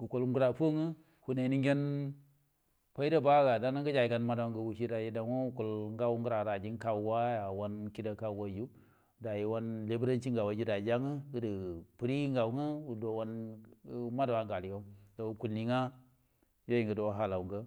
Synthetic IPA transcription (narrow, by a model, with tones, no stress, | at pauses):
ɡu˨ko˦lŋɡu˦ɾa˨po˦ŋə˦ | hu˨ne˨ni˦ŋɡʲe˦n | pa˦i˦da˦ba˦ɡa˨da˦na˦ŋ˦ɡə˦d͡ʒa˨ji˨ɡa˦nma˦da˦ŋɡə˨wu˨ʃi˦ɾa˨ji˦da˨wo˦u˦ko˨lŋɡa˦wu˦ŋ˦ɡu˦ɾa˨ɾa˨d͡ʒi˦nka˦wwa˦ja˨wa˦nki˦da˨ka˦˨wa˦˨ju˦˨ | da˨ji˨wa˦nle˦bɾa˦nt͡ʃi˦ŋɡa˨wa˨d͡ʒi˦da˨d͡ʒa˦ŋə˦ɡə˦də˨pu˦ɾi˦ŋɡa˨wŋə˦wu˨do˨wa˦n˦ | ma˦da˨wa˨ŋɡa˨li˨ɡa˦da˨wu˨ku˨lni˨ŋa˦ | jo˦ji˨ŋɡə˨do˨wɦa˦la˨wu˨ŋɡə˦